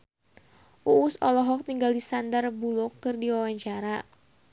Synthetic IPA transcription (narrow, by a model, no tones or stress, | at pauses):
ʔuusɔlɔɦɔk̚t̪iŋɡaldisandarbulɔkːɨrdiwawaɲt͡ʃaɾa